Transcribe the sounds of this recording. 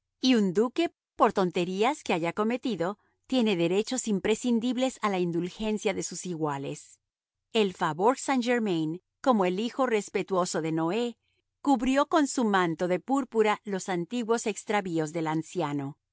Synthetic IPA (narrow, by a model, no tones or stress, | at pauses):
iund̪uke̞ | po̞ɾt̪o̞nt̪e̞ɾiaskeaʝako̞me̞t̪iðo̞ | t̪je̞ne̞ðe̞ɾe̞t͡ʃo̞simpɾe̞sind̪iβle̞salaind̪ulxe̞nsjaðe̞susiɣwale̞̰s | e̞lfaβoɾsand͡ʒeɾmejn | ko̞mo̞elixo̞re̞spe̞t̪wo̞so̞ðe̞no̞e̞ | kuβɾjo̞ko̞nsumãnt̪o̞ðe̞puɾpuɾalosant̪iɣwo̞se̞kst̪ɾaβio̞zðe̞lansjano̞